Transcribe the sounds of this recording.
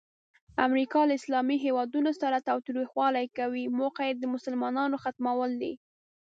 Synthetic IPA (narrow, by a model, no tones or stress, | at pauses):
a̰mɾikɑlaɪslɑmiɦewɑd̪unosaɾat̪awt̪ɾixwɑlajkawimoqajd̪əmʊsəlmɑnɑnoxat̪mawəld̪ḭ